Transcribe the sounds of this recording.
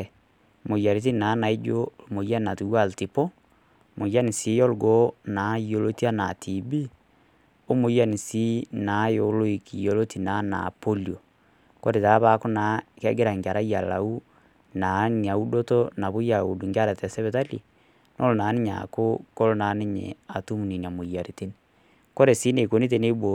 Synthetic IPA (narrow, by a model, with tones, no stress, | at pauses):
mo˨ja˨ɾe˨t̬i˦na˨˦na˨e˦d͡ʒo˦mo˨ja˦na˨tu˨wa˦˨lti˨pɔ˦ | mo˨ja˦ni˨si˨˦jɔ˦lɡɔ˦na˨˦i˦jo˦lo˦ti˦a˦na˨tʰi˨bi˦ | o˦mo˨˦ja˦ni˨si˦na˨˦jo˨lo˦i˨ki˨jo˨lo˦ti˨na˨˦na̰˨po˦lio˨ | ko˦ɾe˨ta˨˦βa˦ko˦na˨kɛ˦ɡe˦ɾa˨ŋɡa˨ɾa˦ja˨la̰˨u˦ | na˨˦nia˨u˦do˦to˦na˨βo˦ja˨u˨du˨ŋɡja˦ɾe˨tɛ˨sɛ˦βe˦ta˦lḭ˨ | nʔo˦lo˨na˨˦ni˦ɲa̰˨ko˦ko˦lo˦na˨˦ne˦ɲḛ˨a˨tu˦mu˨ni˨n˨a˨mo˨ja˨ɾe˨te˦ni | ko˦ɾe˨si˦ne˨ko˨ni˦t̬e˦ne˦bo˨